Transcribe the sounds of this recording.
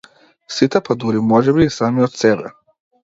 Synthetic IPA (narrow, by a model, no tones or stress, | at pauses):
sit̪ɛpad̪uɾimɔʒɛbiːsamiɔt̪sɛbɛ̰